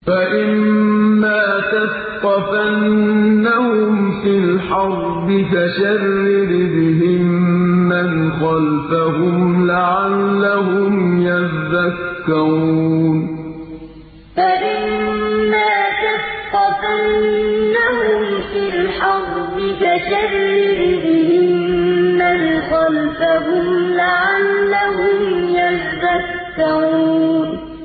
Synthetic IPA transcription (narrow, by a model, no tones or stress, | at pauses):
faʔɪmmːaːt̪as | qɑfanːahʊmfɪlħɑɾˤ | bɪfaʃarːɪbɪbɪɦɪmːanxɑlfaɦʊmlaʕalːaɦʊmjaðakːaɾuuːn | faʔɪmːaːtasqːɑtannːaɦʊmfɪlħɑɾbɪkad͡ʒaɾiːɪdɪhɪhɪmːanxɑlfaɦʊmlaʕalːaɦʊmjatðakːaɾuːn